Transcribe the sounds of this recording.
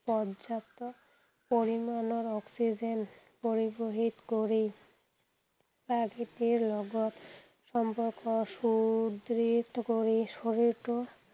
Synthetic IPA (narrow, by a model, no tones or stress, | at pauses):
pɔdd͡ʑat̪ːo | poɾimanoɾɔksid͡ʑen | poɾiboɦit̪koɾi | pɾaɡit̪iɾlɔɡot̪ | ʃɔmpoɾkoʃud̪ɾit̪koɾiʃoɾiɾʈo